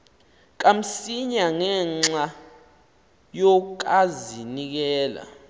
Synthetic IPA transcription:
k̬am̩siɲaŋɛŋ͡ǀa | jɔk̬azinik̬ɛːla̰

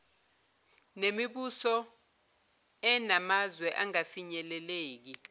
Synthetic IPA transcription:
nemiɓusɔ | ɛnamazwɛʔaŋafiɲɛlɛleːk̬i

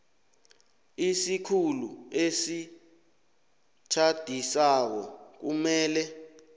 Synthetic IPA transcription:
isikʰuluesi | t͡ʃʰad̥ʱisak̬ɔ̰k̬umɛːlɛ

